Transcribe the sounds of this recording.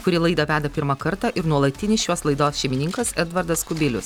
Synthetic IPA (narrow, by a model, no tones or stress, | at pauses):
kʊɾʲɪlˠɐɪd̪ɐʋʲæːd̪ɐpʲɪɾmɐkɐɾt̪ɑʔɪɾnuɔlˠɐt̪ʲɪnʲɪsjuɔslˠɐɪd̪oːsʃʲɛɪmʲɪnʲɪŋkɐsɛd̪ʋɐɾd̪ɐskʊbʲɪlʲʊs